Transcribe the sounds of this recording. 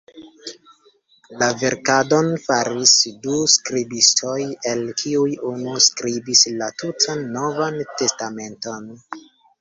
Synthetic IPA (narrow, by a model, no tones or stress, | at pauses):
lave̞ɾkado̞nfaɾisduskɾibistʰo̞je̞lkʰiujunuskɾibislatutʰanːo̞vante̞stame̞nto̞n